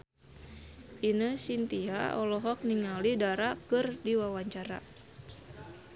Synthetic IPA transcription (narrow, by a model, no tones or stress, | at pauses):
ʔinəsint̪ia̰ɔlɔɦɔk̚niŋalidaɾakɨrdiwawaɲt͡ʃaɾa̰